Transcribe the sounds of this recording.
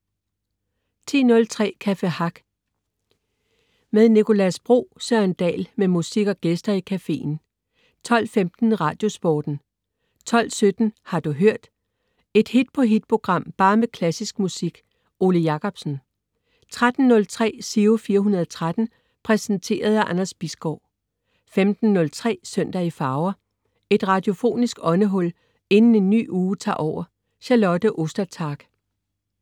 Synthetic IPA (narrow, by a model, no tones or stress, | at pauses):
t͡sʰḭːnɔ̽lt͡sʰʁɛ̰ːkʰæfehɑ̈ɡ̥ | með̞ˠnikʰo̝læsb̥ʁo̝̰ːsøɐend̥ɛ̰ːlmemusiɡ̥ɒ̽ɡ̥esd̥ɐikʰæfe̝̰ːn̩ | t͡sʰɒ̽l̰femd̥n̩ʁɑ̈ːd̥jo̝sb̥ɔːd̥n̩ | t͡sʰɒ̽l̰sød̥n̩hɑ̈d̥uɦøɐ̰d̥ | e̝d̥hid̥̚pʰɔ̽ɦid̥pʰo̝ɡ̥ʁɑ̈m̰b̥ɑ̈ːmekʰlæsisɡ̥musiɡ̥ | o̝ləjɑ̈kʰɒ̽b̥sn̩ | t͡sʰʁad̥n̩ːɔ̽lt͡sʰʁɛ̰ːsiufiːɐɦunɐð̞ˠɒt͡sʰʁad̥n̩ | pʰʁɛsnt͡sʰe̝̰ːɐð̞̩ˠæʔɑnɐsb̥isɡ̥ɒʊ̰ | femd̥n̩ːɔ̽lt͡sʰʁɛ̰ːsøn̰d̥ɐifɑ̈ːʊɐ | e̝d̥ʁɑ̈d̥io̝fo̝̰ːnisɡ̥ɒ̽nəɦɔ̽l̰ | e̝nn̩e̝nːy̰ːuːt͡sʰɑ̰̈ːʔɒʊ̰ɐ | ɕælɒ̽d̥əʔo̝sd̥ɐt͡sʰɑ̈ːɡ̥